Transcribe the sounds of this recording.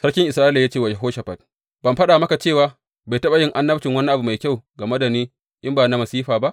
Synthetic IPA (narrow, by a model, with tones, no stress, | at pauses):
sɐ˦ɽkʲɪ˦ŋʔɪ˨sɾaː˦ɪ˦la˨jaː˦t͡ʃeː˦˨wa˨d͡ʒe˨ɦoː˦ʃa˨ɸɐ˨t̚ | b̥ɐ˨mɸɐ˦ɗa˨mɐ˦ka˨t͡ʃeː˦˨waː˨ | ba˨tɐ˦ɓa˨jɪ˦ŋʔa˦nːɐ˦tɪ˨ŋwɐ˦ni˦ʔa˨bu˨ma˨jkʲa˦˨wɡa˨mɐ˦dɐ˨niː˦ | ʔɪ˦mbaː˨na˨mɐ˨siː˦ɸaː˨ba˦ʔ